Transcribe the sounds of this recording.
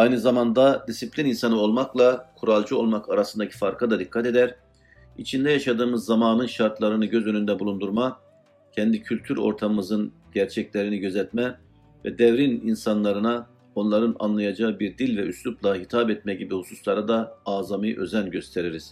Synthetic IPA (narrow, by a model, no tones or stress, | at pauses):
ajnɯzamand̪ad̪isiplʲininsanɯo̞lˠmaklˠakʰuɾalˠd͡ʒuo̞̰lˠmakʰaɾasɯnd̪acʰi̥faɾkʰad̪ad̪ikʰːat̪e̞d̪æɾ | ḭt͡ʃʰind̪ɛjaʃad̪ɯːmɯzːamaːnɯnʃaɾt̪lˠaɾɯnɯɟø̞zø̞nynd̪ɛbulˠund̪uɾma | cʰɛnd̪icʰylʲt̪ʰyɾo̞̰ɾt̪ʰamɯmɯzɯn | ɟæɾt͡ʃʰɛclʲeɾiniɟø̞zɛt̪mɛ | vɛ̰d̪ɛvɾininsanlˠaɾɯna | o̞nlˠaɾɯna̰nlˠajad͡ʒaɯbiɾd̪ilʲvɛʔysluplˠaɦit̪ʰapɛt̪̚mɛɟibihususlˠaɾɯd̪aːzamɯjʔø̞zænɟø̞st̪ʰeɾiɾiz̥